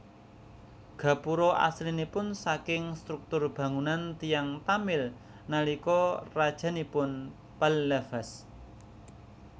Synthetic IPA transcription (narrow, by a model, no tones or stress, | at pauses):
ɡ̥ä̤puɾɔʔa̰slinipʊnsakɪŋst̪ɾuk̚t̪ʊrb̥ä̤ŋunant̪ijaŋt̪amɪl | nalikɔrad̥ʒ̥a̤nipʊn | palləfas